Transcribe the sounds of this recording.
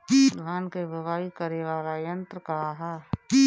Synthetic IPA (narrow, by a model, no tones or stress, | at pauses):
d̪ʋaːnkebʱəʋaːikəɾeʋaːlajə̃nt̪ɾəkaɦɛː